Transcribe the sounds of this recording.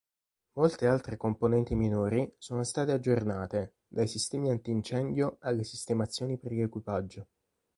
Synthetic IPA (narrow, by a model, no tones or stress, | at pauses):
molt̪ealt̪ɾekomponɛnt̪iminoːɾisoːnost̪aːt̪ead͡ʒːornaːt̪e | d̪ajsist̪ɛːmiant̪iːnt͡ʃɛnd̪joalːesist̪emat̪sːjoːnipeɾiekwipad͡ʒːo